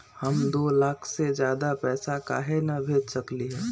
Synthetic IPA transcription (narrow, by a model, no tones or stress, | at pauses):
həmd̪oːlaːkʰsed͡ʒjaːd̪apɛːsaka̰ːɦenabʱeːd͡ʒsəkliɦɛː